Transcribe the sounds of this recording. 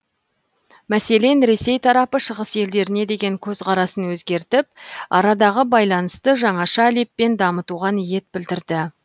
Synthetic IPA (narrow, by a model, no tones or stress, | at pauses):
mæse̞le̞nɾe̞se̞jt̪ʰɑɾɑpəʃəʁəsje̞ld̪e̞ɾɪne̞d̪e̞ɡʲe̞ŋkʲʰɵzqʰɑɾɑsənwɵzɡʲe̞ɾt̪ɪp̚ɑ̰ɾɑd̪ɑʁəbɑjlˠɑnəst̪əʒɑɴɑʃɑle̞pːe̞nd̪ɑmət̪uʁɑnije̞t̪̚bɪld̪ɪɾd̪ɪ